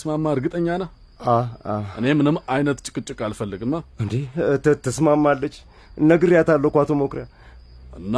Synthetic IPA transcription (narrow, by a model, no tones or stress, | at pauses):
smamːaɨɾɡɨt̪ʼəɲːanə | aaʔɨne̞mɨnɨmːajnət̪t͡ʃʼɪ̥kʼɨt͡ʃʼɨkʼalfəlːɨɡɨmːaɨnd̪et̪ʰːəsmamːalːət͡ʃː | ɨnːəɡɨɾjat̪ʰalːəkʷat̪ʰomokɾja | ɨnːa